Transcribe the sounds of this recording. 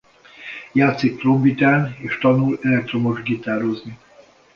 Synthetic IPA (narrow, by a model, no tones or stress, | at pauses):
jaːt̪sik̚prombit̪aːneːʃt̪ɒnulɛlɛk̚t̪ɾomoʒɡit̪aːɾozni